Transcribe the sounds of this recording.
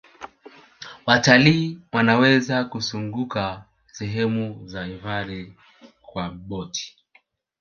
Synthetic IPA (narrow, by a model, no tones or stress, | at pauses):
wataliːwanawɛzakusuŋɡuka | sɛɦɛmuzaivaɾɛ | kwaɓɔtʰi̥